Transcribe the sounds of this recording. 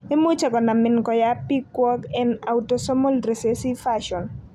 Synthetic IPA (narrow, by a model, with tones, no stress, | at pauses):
e˦mu˦t͡ʃɛ˨kɔ˨na˨mɪ˨nkɔ˨ja˦pi˦kwɔ˦kɛ˦na˨wto˨sɔ˦mo˦lɾe˨se˦si˦faʃɔ˨n